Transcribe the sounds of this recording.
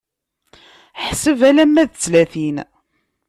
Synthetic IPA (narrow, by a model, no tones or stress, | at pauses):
ħsəvælæmːæðt͡sːlæθin